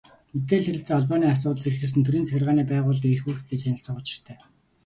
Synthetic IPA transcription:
met̪eːɮxeɾʲɪ̆ɬt͡săɔɮpaːniːas̬ʊːt̪əɮirxɘ̆s̬ɘnt̪ʰɵɾiːnt͡sʰæxʲɪrʁaːniːpæːʁʊːɮixuːxt̪ʰeːɮxʲænɪ̆ɬt͡sə̆χʊt͡ɕɪ̆r̥t̪ʰæː

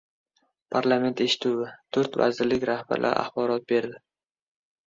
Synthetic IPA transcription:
pʰaɾlˠame̞nt̪e̞ʃɪ̥t̪ʰuwɪt̪ʰɵɾt̪va̰zɪɾlɪkʲɾahba̰ɾlʔa̰ɾa̰χbɒɾɒt̪̚be̞ɾd̪ɪ

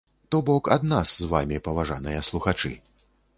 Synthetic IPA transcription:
t̪ɔbɔkad̪naszvamʲipɐvaʐanɨjɐslˠuxat͡ʂɨ̰

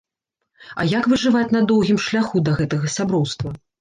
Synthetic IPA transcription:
ɐ̰jakvɨʐɨvat͡sʲnɐd̪ɔwɣʲimʂlʲaxud̪ɐɣɛt̪ɐɣɐsʲabɾɔwst̪vɐ

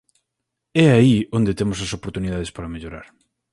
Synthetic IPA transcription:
ɛaiond̪et̪emʊsɐsopoɾt̪uniðað̞espaɾɐmeʎoɾa̰ɾ

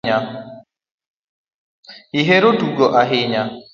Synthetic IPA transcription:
a | hɪɦeɾoduɡoʔaɦɪɲa

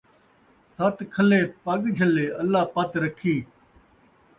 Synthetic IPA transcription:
saːt̪kʰəleːpaːɠd͡ʒʱəleːəlːaːpaːt̪ɾəkʰiː

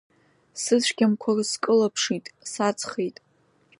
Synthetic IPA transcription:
sɨzʃʷɡʲamkʷʰarɨskʼɨlapʰʂitʼsat͡sʰʼχejtʼ

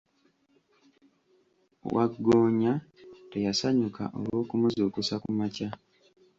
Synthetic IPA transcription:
wa̰ɡːoːɲate̞jasaɲuka̰ʔo̰lwo̞ːkumuzuːkusakumaca

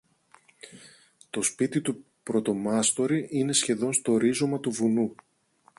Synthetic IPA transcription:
t̪o̞spit̪it̪u | pɾo̞t̪o̞mɐst̪o̞ɾiʔine̞sçe̞ðo̞nst̪o̞ːɾizo̞mɐt̪uvunu

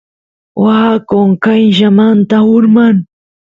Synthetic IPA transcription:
wakoŋkajʒamant̪ahʊɾmaŋ

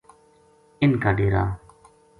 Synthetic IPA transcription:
ɪnkaːɖeːɾaː

